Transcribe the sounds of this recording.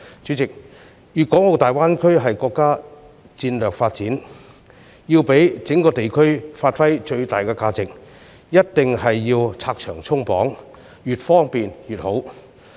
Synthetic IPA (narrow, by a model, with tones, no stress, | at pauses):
t͡ʃy˨˥t͡sɪ˨k̚ | jyː˨t̚kɔː˨˥ŋo˨˧wt̪aː˨˩jwaː˥nkʰɵ˥ɥɦɐ˨jkɔː˧kːaː˥ | t͡siː˧nlœː˨˩k̚faː˧t̚t͡siː˨˥n | jiː˧wpe˨˥jt͡sɪ˨˥ŋkɔː˧t̪e˨jkʰɵ˥ɥfaː˧t̚fɐ˥jt͡ʃɵ˧ɥt̪aː˨˩jkɛː˧kaː˧t͡sɪ˨k̚ | jɐ˥t̚t̪ɪ˨ŋɦɐ˨jːiː˧wt͡sʰaː˧k̚t͡ʃʰœː˨˩ŋt͡sʰʊ˥ŋpɔː˨˥ŋ | jyː˨˩t̚fɔː˥ŋpiː˨njyː˨˩t̚ho˨˥w